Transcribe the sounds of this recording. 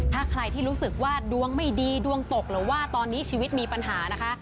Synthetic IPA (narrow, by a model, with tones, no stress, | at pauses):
t̪ʰaː˥˩kʰɾa˧jt̪ʰiː˥˩ɾuː˦˥sɯ˨˩k̚waː˥˩du˧əŋma˥˩jdiː˧du˧əŋt̪o˨˩k̚ɾɯː˩˦waː˥˩t̪ɔː˧nːiː˦˥t͡ɕʰiː˧wi˦˥t̪̚miː˧pa˧nɦaː˩˦na˦˥kʰa˦˥